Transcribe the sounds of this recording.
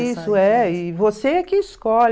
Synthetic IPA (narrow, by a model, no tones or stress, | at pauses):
isʊɛɪvosekɪːskɔl